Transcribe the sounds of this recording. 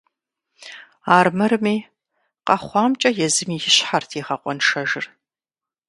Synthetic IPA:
aːrmɐɾɨmiː | qɐχʷɑːmt͡ʃʼɐjɛzɨmiːjɪɕħartʰiʁɐqʷʼɔnʂɐʒɪr

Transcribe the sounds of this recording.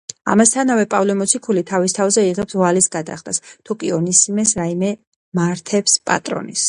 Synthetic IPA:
a̰mast̪ʰanavɛpʼavlɛmɔt̪sʰikʰulit̪ʰavist̪ʰavzɛiʁɛpsvalisɡad̪a̰χd̪ʰast̪ʰukʼiɔnisimɛsɾaimɛ | maɾt̪ʰɛpspʼa̰t̪ʼɾɔ̰nis

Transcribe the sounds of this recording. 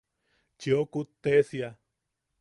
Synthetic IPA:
t͡ʃiokut̪esia

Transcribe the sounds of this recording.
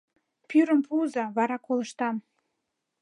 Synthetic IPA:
pyɾəmpuzɑβɑɾɑkoləʃt̪ɑm

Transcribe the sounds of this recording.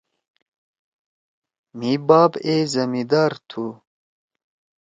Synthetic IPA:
mibaːbezɐmid̪aːɾt̪ʰu

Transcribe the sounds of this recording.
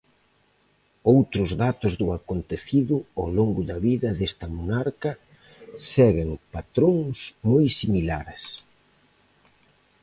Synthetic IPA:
owt̪ɾʊzðat̪ʊzðʊakont̪eθiðʊawloŋɡʊðɐβiðɐðest̪ɐmonaɾkɐ | sɛɣeŋpat̪ɾoŋsmojsimilaɾs

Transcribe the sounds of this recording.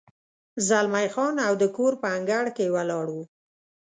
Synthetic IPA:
zalmajxɑnawd̪əkoɾpəaŋɡaɽkewalɑɽu

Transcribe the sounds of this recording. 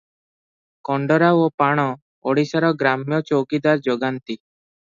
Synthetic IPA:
kɔɳɖɔɾaopaɽ̃ɔ | ɔɽisaɾɔɡɾamjɔt͡ʃowkid̪aɾd͡ʒoɡant̪i

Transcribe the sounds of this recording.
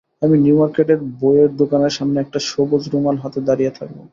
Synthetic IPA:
aminjumaɾkeʈeɾbojeɾd̪okaneɾʃamneɛk̚ʈaʃobod͡ʑɾumalɦat̪ed̪aɾijet̪ʰak̚bo̰

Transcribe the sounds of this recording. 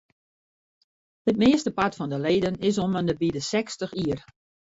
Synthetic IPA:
hət̚meəstəpatfɔndəleːdənɪs̬oməndəbidəsɛkstəxiər

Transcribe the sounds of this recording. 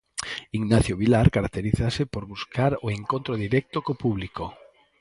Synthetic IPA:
iŋnaθjoβilaɾkaɾak̚t̪eɾiθasɪpoɾβuskʰaɾoeŋkõnt̪ɾoðiɾɛk̚t̪okopuβliko

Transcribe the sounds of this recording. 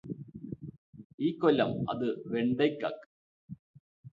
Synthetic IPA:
iːkːolːɐmɐ̰ðɨʋeɳɖejkːa̰ːkːɨ̥

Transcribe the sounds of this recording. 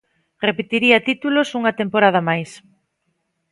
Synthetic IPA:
repet̪iɾiɐt̪it̪ulosuŋɐt̪empoɾað̞ɐmajs

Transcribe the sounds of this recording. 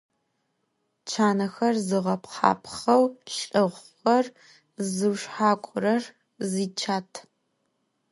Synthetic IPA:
t͡ʃʰaːnɐxɐrzɨʁɐpʰqɑ̰ːpʰχɐwɬʼɨʁʷ | ɐr | zɨwʂħaːkʷʼʊɾɐr | ziːt͡ʃʰaːtʰ

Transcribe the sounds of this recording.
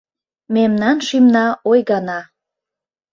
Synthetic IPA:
memnɑnʃimnɑojɣɑnɑ

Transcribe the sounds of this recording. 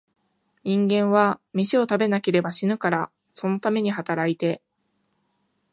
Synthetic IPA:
ɲĩŋɡẽ̞ɰ̃βamʲiɕio̞t̪abe̞nake̞ɾe̞baɕinɯ̟kaɾa | so̞no̞t̪ame̞ɲ̟iɦat̪aɾait̪e̞

